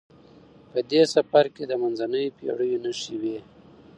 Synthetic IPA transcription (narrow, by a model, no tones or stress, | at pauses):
pəd̪esafaɾked̪əmanzanəjopjḛɽəjonaʃiwe